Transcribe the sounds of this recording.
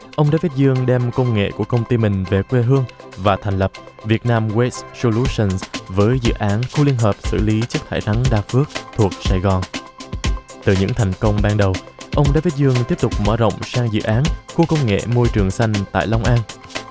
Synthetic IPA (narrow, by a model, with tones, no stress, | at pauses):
ʔə˧wŋ͡mɗa̰ː˧˥fi˦˥t̚zɨ˧əŋɗɛ˧mkə˧wŋ͡mŋḛ˧˨ku˧˩əkə˧wŋ͡mt̪i˧mï˨˩ŋ̟ve˨˩kwe˧ɦɨ˧əŋvaː˨˩t̪ʰɛ˨˩ŋ̟lə˨˩p̚vi˨˩ət̚naː˧mwe˦sso˧lu˧˦sə˧nsvəː˨˦jzɨ̰˧˨ʔaː˨˦nxu˧li˧ənɦəː˨˩p̚sɨ̰˧˩li˨˦t͡ɕɨ˦˥k̚t̪ʰa̰ː˧˩jt̪ʰa˨˦ŋɗaː˧˩fɨ˦˥ək̚t̪ʰu˨˩ək̚saː˧˩jɣɔ˨˩n | t̪ɨ˨˩ɲɨ̰˧˥ŋt̪ʰaɛ˨˩jŋ̟kə˧wŋ͡mɓaː˧ŋɗə˨˩w | ʔə˧wŋ͡mɗa̰ː˧˥fi˦˥t̚zɨ˧əŋt̪i˦˥əp̚t̪ʊ˨˩k͡p̚mə̰ː˧˥zə̰˧˨wŋ͡msaː˧ŋzɨ̰˧˨ʔaː˨˦nku˧˩əkə˧wŋ͡mŋḛ˧˨mo˧jt͡ɕɨ˨˩əŋsa˧jŋ̟t̪a̰ː˧˨jla˧wŋ͡mʔaː˧n